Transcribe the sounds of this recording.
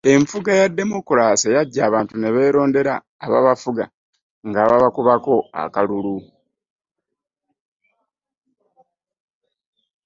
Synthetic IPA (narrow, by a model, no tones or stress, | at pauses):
e̞ɱfuɡajadːe̞mukulaːsejaɟːaːβaːntuneβe̞ːɾo̞ːnde̞ɾaː | βa̰βafuɡa | ŋɡaβaβakuβako̞a̰kalulu